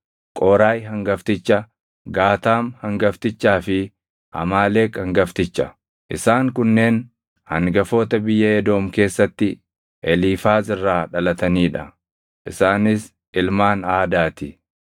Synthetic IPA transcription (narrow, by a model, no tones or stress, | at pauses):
kʼoːɾaːjɦɐŋɡɐft̪ɪt͡ʃːɐ | ɡaːt̪aːmhɐŋɡɐft̪ɪt͡ʃːaːfɪ | ʔɐ̰maːle̞ːkɐŋɡɐft̪ɪt͡ʃːɐ | ʔɪsaːŋkʊnːe̞ːn | hɐŋɡɐfo̞ːt̪ɐbɪjːɐɛd̪o̞ːmke̞ːsːɐt̪ːɪ | ʔɛliːfaːzɪrːaːᶑɐlɐt̪ɐniːᶑɐ | ʔɪsaːnɪs | ɪlmaːnaːd̪aːt̪ɪ